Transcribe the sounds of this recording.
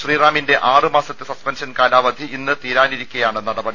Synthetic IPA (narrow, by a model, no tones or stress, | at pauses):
ʃriːraːminde̞ʔaːrɨmaːsɐt̪ːɨsɐspɐnʂɐnkaːlaːʋɐd̪ʱiinːɨt̪iːɾaːniɾikʲːɐjaːɳɨnɐɽɐbɐɽi